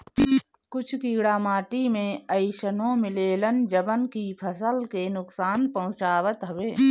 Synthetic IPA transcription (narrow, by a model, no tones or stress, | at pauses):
kʊt͡ʃʰkiːɡɽaːmaːʈimẽəɪʃənõmɪleːlənd͡ʒəbənkipʰəsəlkenʊksaːnpɐ̃ʊ̃t͡ʃaːwət̪ɦəʋeː